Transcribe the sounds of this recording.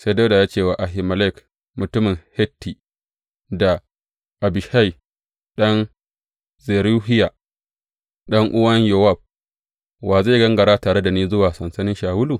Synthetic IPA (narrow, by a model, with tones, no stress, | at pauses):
sa˦jda˦da˨jaː˦t͡ʃeː˦˨waː˨ʔa˨ɦɪ˨mɐ˨lɛ˦˨k | mʊ˨tʊ˦mɪ˨ŋhɛ˦tːi˨ | da˨ | ʔa˨bɪ˨ʃa˦j | ɗɐ˦n | ze˨ɾu˦ɦɪ˦ja˨ | ɗɐ˦ŋʔʊ˦wɐ˦ɲjɐ˨wa˦˨b̚ | waː˨za˦˨ɡɐ˦ŋɡɐ˨ɽaː˦taː˨ɽe˦da˨niː˦zʊ˦waː˨sɐ˨nsɐ˦nɪ˦ʃaː˨wʊ˦luː˨